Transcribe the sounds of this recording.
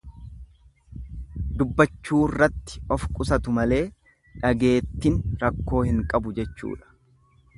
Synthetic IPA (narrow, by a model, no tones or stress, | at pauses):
d̪ʊbːɐt͡ʃːuːrːɐt̪ːɪ̥ɔfkʼʊsɐt̪ʊmɐle̞ː | ᶑɐɡe̞ːt̪ːɪnɾɐkːo̞ːhɪŋkʼɐbʊd͡ʒɛt͡ʃːṵːᶑɐ̥